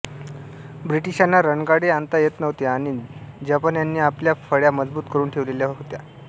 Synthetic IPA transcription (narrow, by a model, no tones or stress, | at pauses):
bɾiʈiɕanːaɾəɳɡaɽeant̪ajet̪nəʋt̪jaːɽ̃id͡ʑapanjanːiːapljafəɭjaməd͡zbuːt̪kəɾuːnʈʰeʋleljaɦɦot̪ja̰